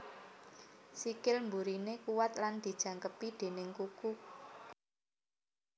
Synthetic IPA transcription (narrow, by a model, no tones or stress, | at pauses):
sikɪlmbuɾinekuwat̪̚land̪̥i̤d̥ʒ̥ä̤ŋkəpid̪̥e̤nɪŋkuku